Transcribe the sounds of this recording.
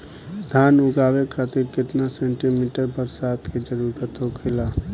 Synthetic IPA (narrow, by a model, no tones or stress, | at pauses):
d̪ʱaːnʊɡaːwekʰaːt̪ɪɾkɪt̪nasẽːɳʈimiːʈəɾbəɾsaːt̪kid͡ʒəɾuːɾət̪ɦokʰɪlaː